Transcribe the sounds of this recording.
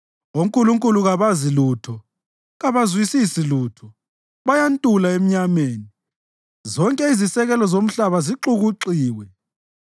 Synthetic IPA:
oŋkʼuluŋkʼuluɣaβaziluːtʰɔ | ɣaβazwisisiluːtʰɔ | βajantʼulaem̩ɲameːni | zɔŋkʼɛizisɛɣɛlɔzom̩ɬaβaziǁuɣuǁiːwɛ

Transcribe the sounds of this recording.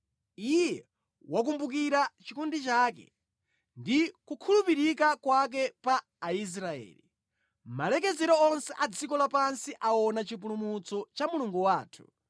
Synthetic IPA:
ijɛ | wak̬umbuk̬iɾat͡ʃikundit͡ʃaːkɛ̰ | ndikukʰulupiɾikakwak̬ɛpaː | is̬ɾaɛ̰ːlḭ | malɛk̬ɛzɛɾɔɔnsɛʔad͡zikɔlapansiʔaɔnat͡ʃip̬ulumut͡sɔt͡ʃamuluŋɡuwaːtʰu̥̰

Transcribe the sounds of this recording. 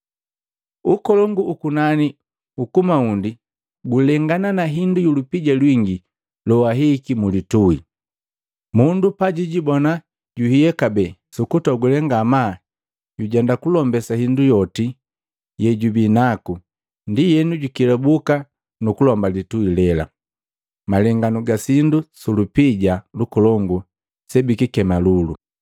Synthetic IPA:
ukɔlɔŋɡuːkunani | ukumaundi | ɡulɛŋɡananaɦindujulupiɟalwiŋɡi | lɔwaɦikimulituḭ | mundupaɟiɟibɔna | ɟuhijɛkabɛsukutɔɡulɛŋɡama | ɟuɟɛndakulɔmbɛsahindujɔti | jɛɟubinaku | ndijɛnuɟukilɛbuka | nukulɔmbalituilɛla̰ | malɛŋɡanuɡasindusulupiɟalukɔlɔŋɡu | sɛbikikɛmalulu

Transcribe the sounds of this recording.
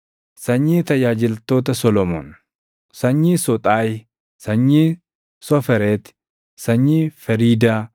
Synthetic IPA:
sɐɲːiːt̪ɐjaːd͡ʒɪlt̪o̞ːt̪̬ɐsɔlɔmo̰n | sɐɲːiːsɔt̪ʼaːj | sɐɲːiː | sɔfɛɾeːt̪ɪ̥ | sɐɲːiːfɛɾiːd̪aː

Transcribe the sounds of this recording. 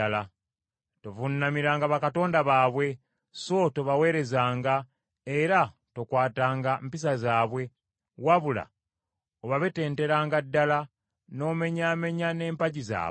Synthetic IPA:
la | to̞vunːamiɾaːŋɡaβakato̞ːndaβaːβwe̞ | so̞to̞βawe̞ːɾe̞zaːŋɡa | eɾa | to̞kwaːtaːŋɡampis̬azaːβwe̞ | waβula̰ | oβaβete̞ːnte̞ɾaːŋɡadːala | no̞ːme̞ɲame̞ɲane̞ːmpaɟiza̰ː

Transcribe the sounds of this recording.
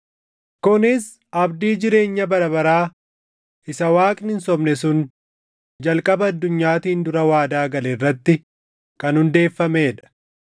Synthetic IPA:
kʊnɪs | ɐbd̪iːd͡ʒɪɾe̞ːɲːɐbɐɾɐbɐɾaː | ʔɪsɐwaːkʼnɪnsɔmnɛsʊn | d͡ʒɐlkʼɐbɐːd̪ːʊɲːaːt̪iːnd̪ʊɾɐwaːd̪aːɡɐlɛrːɐt̪ːɪ | kɐnhʊnd̪e̞ːfːɐmeːᶑɐ̥

